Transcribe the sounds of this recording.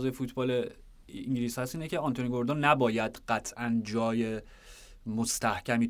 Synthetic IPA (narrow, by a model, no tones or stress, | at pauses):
zɒːjefuːt̪ʰbɒːle | iŋɟiliːshæsiːnecʰeɑnt̪oniɡo̞ɾd̪ɑnːæbɒːjæd̪ɢ̥æt̪ʰʔænd͡ʒɒːje̞ | most̪æhcʰæmi